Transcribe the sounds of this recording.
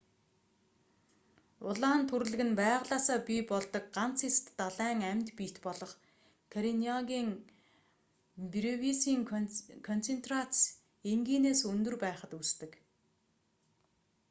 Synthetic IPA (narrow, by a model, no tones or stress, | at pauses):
ʊɮaːnt̪ʰɵɾ̆ɮɘ̆ɣɘ̆npæːʁɮaːsaːpʲipɔɮt̪ɞ̆k̚ɢan̥t͡sʰest̪ːaɮæːŋæmʲt̪pit̪pɔɮɞ̆χ | kʰaɾiniaɣʲiːŋ | pɾewisiːŋkʰɔn̥t͡sʰent̪rat͡s | eŋɡiːneːsɵnt̪ɵ̆rpæːχə̆t̪ust̪ɘ̆k